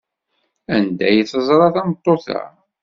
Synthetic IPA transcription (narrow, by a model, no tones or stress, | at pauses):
ænd̪æjθəzˤɾˤɑθɑmət̪ˤːoθæ̰